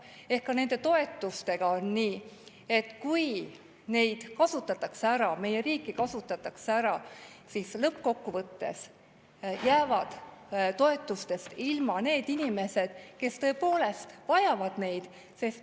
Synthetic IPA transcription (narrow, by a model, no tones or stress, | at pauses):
e̞hkːɑne̞nd̪̥e̞t̪o̞e̞t̪ːˑust̪e̞ɡ̥ɑo̞nniː | e̞t̪ːˑkuj | ne̞jd̪̥kɑsut̪ːˑɑt̪ːˑɑkseæɾɑme̞jeɾiːkːˑikɑsut̪ːˑɑt̪ːˑɑkseæɾɑsislɤp̚ːko̞kːuvɤt̪ːe̞̰s | jæːvɑd̪̥t̪o̞e̞t̪ːˑust̪e̞st̪ilmɑne̞ːd̪inʲime̞se̞d̪̥ke̞st̪ɤ̞e̞po̞ːle̞st̪vɑjɑvɑd̪̥ne̞jd̪̥ | se̞st̪